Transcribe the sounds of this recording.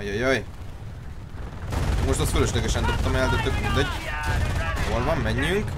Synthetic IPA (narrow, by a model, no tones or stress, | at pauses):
jojoj | moʃt̪ɑst̪føløʃlɛɡɛʃɛnd̪op̚t̪omɛld̪ɛt̪økmind̪ɛɟ | holvɒmmɛɲːyk